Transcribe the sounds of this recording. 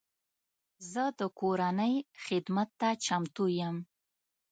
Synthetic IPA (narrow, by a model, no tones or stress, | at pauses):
zəd̪əkoɾanəjxɪd̪mat̪ːat͡ʃamt̪ujəm